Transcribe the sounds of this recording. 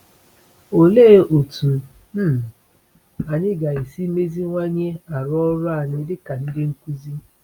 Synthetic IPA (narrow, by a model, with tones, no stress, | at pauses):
o˨le˦o˨tu˨ | m̩˦˨ | a˨ɲɪ˦ɡa˨i˨si˦me˦zi˦ŋʷa˦ɲe˦a˨ɾɔ˦ɾʊ˦a˦˨ɲɪ˦dɪ˦ka˨n̩˦dɪ˦ŋ̩˦ku˦zi˦